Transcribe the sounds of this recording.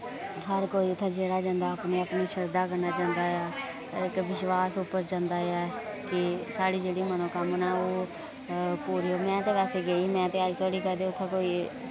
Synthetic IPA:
ɦəɾkoːiːʊt̪ʰːãːd͡ʒeːɽaːd͡ʒãːnd̪aːpneːəpniːʃəɾd̪aːkəɾnaːt͡ʃãːnd̪aːaː | ɪkʋɪʃʋaːsʊpːəɾd͡ʒãːnd̪aːaːkɪsaːɽiːd͡ʒeːɽiːmənõːkəmnãːoː | puːɾioːmɛ̃ːt̪eːʋɛːseːɡeːiːmɛ̃ːt̪eːəd͡ʒt̪ʰoːɽiːkəɾd̪eːʊt̪ʰːãːkoːiː

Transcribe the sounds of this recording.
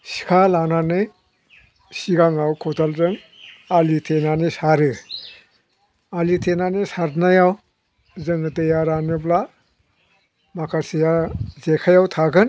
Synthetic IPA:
si̥kʰalananɯj | siɡaŋawkʰɔtʰalzɯŋ | alitʰenanisaɾɯ | alitʰenanisaɾnajaw | zɯŋɯdɯjaɾanɯbla | makʰasijazekʰajawtʰaɡɯn

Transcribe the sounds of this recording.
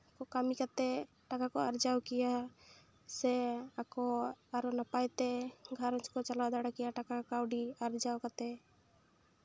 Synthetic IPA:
kokamikət̪e | ʈakakoəɾd͡ʒawkɪja | seakoaɾonapajt̪eɡʱəɾə̃t͡ʃkot͡ʃəlad̪əɽakijaʈakakawɖiəɾd͡ʒawkət̪e

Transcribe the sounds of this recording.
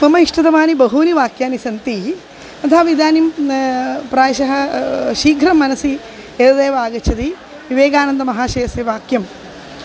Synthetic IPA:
mɐmɐiʂʈɐt̪ɐmaːnibɐɦuːniʋaːkjaːnisɐnt̪i | ɐt̪ʰaːʋid̪aːnim | pɾaːjʃɐɦɐʃiːɡʱɾɐmːɐnɐsi | ed̪ɐd̪eːʋaːɡɐt͡ʃʰɐt̪i | ʋiʋeːɡaːnɐnd̪ɐmɐɦaːʃeːseʋaːkjɐm

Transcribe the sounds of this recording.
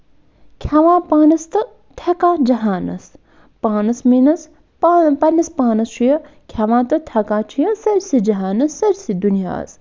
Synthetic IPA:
kʲʰɐʋãːpaːnɐst̪ɐ | t̪ʰɐkaːd͡ʒɐɦaːnɐ̰s | paːnɐsminɐs | pɐnʲːɐspaːnɐst͡ʃʰujɐ | kʲʰɐʋãːt̪ɐt̪ʰɐkaːt͡ʃʰijɐsɐɾʲsid͡ʒɐɦaːnɐsːɐɾsid̪unija̰ːs

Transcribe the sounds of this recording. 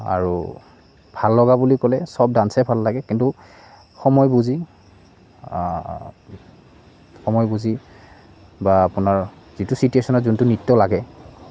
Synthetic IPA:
a̰ɹṵ | bʱalːɔɡabulikɔlɛsɔb̚dansɛbʱalːaɡɛkintu | xɔmɔjbuzi | xɔmɔjbuzi | baːpʊnaɹ | z̥itusituesɔnɔzuntʊnitːɔlaɡɛ

